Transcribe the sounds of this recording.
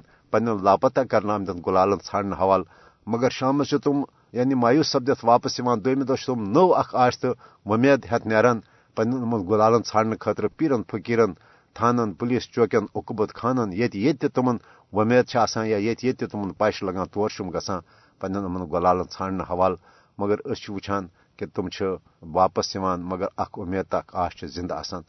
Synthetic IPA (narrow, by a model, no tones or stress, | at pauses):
pɐnʲɐnlaːpɐt̪akɐɾnaːmd̪ɐnɡulaːlɐnt͡sʰaːɳnɨɦɐʋaːl | mɐɡɐɾʃaːmɐt͡ʃʰut̪um | jaːnimaːjusːɐb̚d̪ɐt̪ʰʋaːpɐsiʋãːnd̪omid̪ot͡ʃʰt̪umnowɐkʰaːst̪ɨ | ʋɐmeːd̪ɦʲɐt̪ʰneːɾɐn | pɐnʲɐnɐmɐnɡulaːlɐnt͡sʰaːɳnɨkʰɐːt̪ɾɨpiːɾɐnpʰɐkiːɾɐn | t̪ʰaːnɐnpuliːst͡ʃoːkʲɐnukbɐt̪kʰaːnɐnjet̪ʲjet̪ʲːit̪umɐn | ʋɐmeːd̪̚t͡ʃʰiaːsãːnjaːjet̪ʰʲjet̪ʲːit̪umɐnpaːʃlɐɡãːt̪oːɾʃumɡɐt͡sãː | pɐnʲɐnɐmɐnɡolaːlɐnt͡sʰaːɳnɨɦɐʋaːl | mɐɡɐɾəst͡ʃʰiʋut͡ʃʰaːn | kit̪umt͡ʃʰi | ʋaːpɐsiʋaːnmɐɡɐɾɐkʰumʲeːd̪̚t̪ɐkʰaːʃt͡ʃʰizind̪aa̰ːsaːn